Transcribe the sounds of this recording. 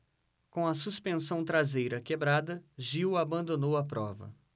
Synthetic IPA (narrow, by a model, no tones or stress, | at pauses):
kõɐsuspẽsɐ̃w̃t̪ɾazejɾɐkebɾad̪ɐʒiwabɐ̃nd̪onowɐpɾɔvɐ̰